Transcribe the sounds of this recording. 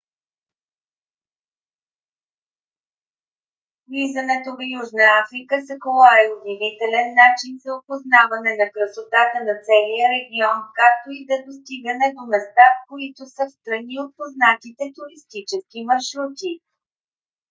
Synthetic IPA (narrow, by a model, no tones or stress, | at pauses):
lizənɛt̪ovəjuʒnəafɾikəsəkolˠaiod̪ivit̪ɛlɛnːat͡ʃinzɐopoznavɐnɛnɐkɾəsot̪at̪ənɐt̪sɛlijəɾɛɡʲiɔnkak̚t̪oid̪ɐd̪ost̪iɡənɛd̪omɛst̪afkoit̪osəfst̪ɾɐniot̪̚poznat̪it̪ɛt̪uɾist̪it͡ʃɛskimɐɾʃɾut̪i